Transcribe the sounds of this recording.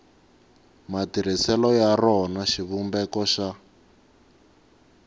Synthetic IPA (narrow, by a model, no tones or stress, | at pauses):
matiɾ̤isɛlɔjarɔnaʃiβumbɛkɔʃa